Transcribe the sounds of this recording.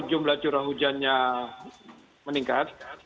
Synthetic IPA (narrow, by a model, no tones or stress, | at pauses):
d͡ʒumlaht͡ʃuɾaɦud͡ʒanɲa | məniŋkat̪̚